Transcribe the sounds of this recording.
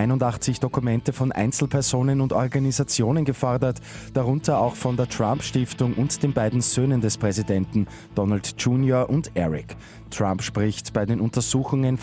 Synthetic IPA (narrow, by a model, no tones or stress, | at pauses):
aɪnʊndaχt͡sɪçd̥okumɛntəfɔnʔa̰ɪnt͡sl̩pʰɛɐzoːnənʊntɔʁɡanizat͡sjoːnənɡəfɔɐdɐt | d̥aʁʊntɐaʊxfɔndeːɐtʁ̥ãmpʃtɪftʊŋʔʊ̰ntd̥eːnbaɪdn̩zøːnəndɛspʁ̥ɛzidɛntn̩ | d̥ɔnaltd͡ʒuːnjoɐʔʊntʔɛʁɪk | tʁ̥ãmpʃpʁ̥ɪçtb̥aɪdeːnʊntɐzuːxʊŋən